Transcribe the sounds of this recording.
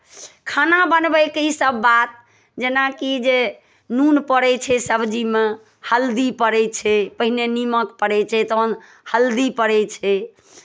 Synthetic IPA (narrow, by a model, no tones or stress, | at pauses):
kʰanabənbɛjkeisəbːat̪̚ | d͡ʒenakid͡ʒe | nunpəɾɛt͡ʃʰɛsəbʱd͡ʒime | həld̪ipəɾɛt͡ʃʰɛpəɦineniməkpəɾɛt͡ʃʰɛt̪ən | həld̪ipəɾɛt͡ʃʰɛ